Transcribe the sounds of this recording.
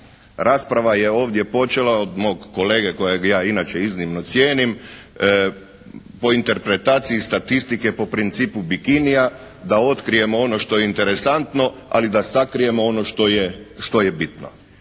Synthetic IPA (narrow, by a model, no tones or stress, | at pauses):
ɾaːspɾaʋaje̞o̞ːʋd̪je̞po̞t͡ʃe̞laod̪mo̞ɡːo̞le̞ːɡeko̞jeɡjaːinat͡ʃe̞iznimno̞t̪sjeːnim | po̞int̪e̞ɾpɾe̞t̪aːt̪sijist̪at̪ist̪ike̞po̞pɾint̪siːpubikinija | d̪ao̞t̪kɾije̞mo̞o̞no̞ʃt̪o̞jeint̪e̞ɾe̞sant̪no̞a̰lid̪asakɾije̞moo̞no̞ʃt̪ojeʃt̪o̞jebit̪no̰